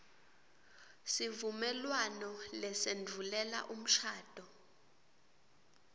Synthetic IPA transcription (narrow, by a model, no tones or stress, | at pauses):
sivumɛlwanɔlɛsend͡vʱulɛla̰ʔum̩ʃaːd̥ʱɔ